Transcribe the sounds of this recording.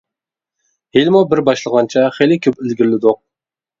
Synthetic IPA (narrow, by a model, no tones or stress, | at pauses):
helmobɪɾbɑʃlˠəʁɑnt͡ʃʰaχejlɪkʲʰɵpɪlɡʲɪɾlɪd̪ʊq̚